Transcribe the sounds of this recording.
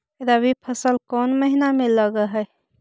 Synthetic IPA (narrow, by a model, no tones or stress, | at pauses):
ed̪abipʰəsəlkɔːnməɦinameləɡaɦɛ